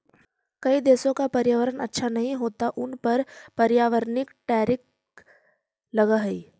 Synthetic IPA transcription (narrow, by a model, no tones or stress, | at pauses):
kɐid̪eːsõkapɐɾjaːʋəɾənɐtːʃʰanɐɦĩɦoːt̪aʔʊnpəɾpɐɾjaːʋəɾnɪkʈɛːɾɪk̚ | lɐɡaɦɐiː